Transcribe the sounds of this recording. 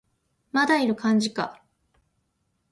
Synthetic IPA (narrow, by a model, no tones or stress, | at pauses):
mad̪aiɾɯ̟kʰãɲ̟d͡ʑika̰